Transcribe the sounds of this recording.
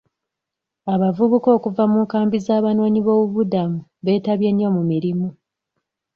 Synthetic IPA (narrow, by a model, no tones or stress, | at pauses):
aβavuβuko̞ːkuvamuːŋkaːmbizaːβanwoːɲiβo̞ːβuβudamuβe̞ːtaβje̞ɲːo̞mumiɾimu